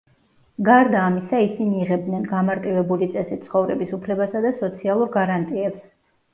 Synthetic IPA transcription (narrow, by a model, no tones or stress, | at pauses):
ɡaɾd̪aːmisaisiniːʁɛb̚d̪nɛnɡamaɾt̪ʼivɛbulit̪sʼɛsit̪sʰχɔvɾɛbisupʰlɛbasad̪asɔt̪sʰialˠuɾɡaɾant̪ʼiɛps